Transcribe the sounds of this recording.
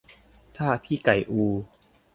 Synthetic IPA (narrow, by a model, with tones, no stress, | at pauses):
t̪ʰaː˥˩pʰiː˥˩ka˨˩jʔuː˧